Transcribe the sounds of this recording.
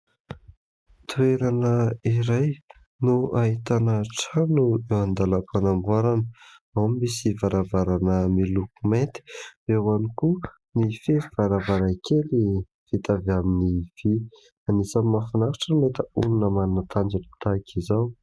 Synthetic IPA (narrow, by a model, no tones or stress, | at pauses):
t̪ueɾanəiɾaj | nuaɦit̪anəʈ͡ʂanuewand̪alakanambaɾanəamimisivaɾavaɾanəmilukument̪i̥ewaniku | nifeiv̥aɾavaɾakeli | v̥it̪avaminiv̥i | anisamafinaɾʈ͡ʂənet̪əununəmannət̪ʰand͡ʒanət̪akʰizaw